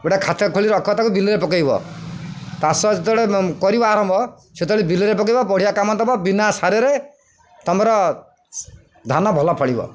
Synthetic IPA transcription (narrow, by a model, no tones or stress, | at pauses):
eʈakʰat̪ʰakʰoɭiɾɔkʰɔt̪akubiliɾepɔkajbɔ̰ | t̪asɔset̪ɔɽekɔɾibɔaɾɔmbʱɔ | set̪ɔɭebiliɾepɔk̬ɔjbɔpɔɽijakamɔnt̪ɔbɔbinasaɾɔɾe | t̪ɔmɔɾɔ | d̪ʱanɔbʱɔlɔpʰɔɽibɔ̰